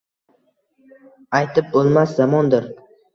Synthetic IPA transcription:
ajt̪ʰɪp̚bolˠmaszamɒnd̪ɪɾ

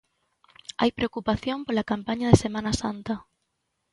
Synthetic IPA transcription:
a̰jpɾeokupaθjompolakampaɲaðesemãnasant̪ɐ

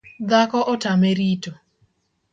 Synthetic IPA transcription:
d̪akɔʔɔtameɾito

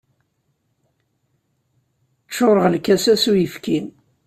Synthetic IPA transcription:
t͡ʃːoɾˤəʁlkæsæsujəfkʰin

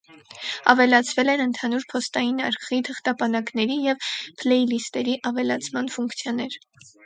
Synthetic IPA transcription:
ɑ̰vɛlɑt͡sʰvɛlɛnənt̪ʰɑnuɾpʰɔst̪ɑjinɑɾkʰχit̪ʰəχt̪ɑpɑnɑknɛɾijɛvpʰlɛjlist̪ɛɾiʔɑvɛlɑt͡sʰmɑnfuŋkʰt͡sʰjɔnɛɾ

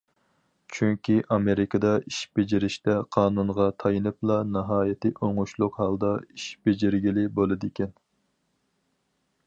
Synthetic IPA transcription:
t͡ʃʰyŋkʲiʔɑmeɾɪkɑd̪ɑiʃb̥ed͡ʒɪɾɪʃt̪ɛqʰɑːnunʁɑt̪ʰɑjɨnɨplˠɑnɨɦɑːjɪt̪ʰɨʔoŋʊʃlˠʊqhɑlˠd̪ɑiʃb̥ed͡ʒɪɾɡʲilɪbolˠɨd̪ekʲʰɛn

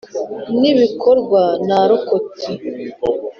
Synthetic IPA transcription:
niβikoɾɡwanaɾokoti

